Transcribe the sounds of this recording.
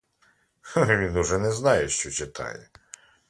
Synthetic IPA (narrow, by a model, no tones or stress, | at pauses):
ʋʲinʊʒɛnɛznɑjɛʃt͡ʃɔt͡ʃɪt̪ʰɑ̰jɛ